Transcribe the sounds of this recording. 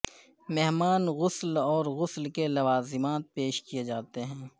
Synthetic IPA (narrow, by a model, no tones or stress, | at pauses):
mɛɦmaːnɣʊslɔːɾɣʊslkelɐʋaːzɪmaːt̪̚peːʃkijed͡ʒaːt̪eɦɛ̃ː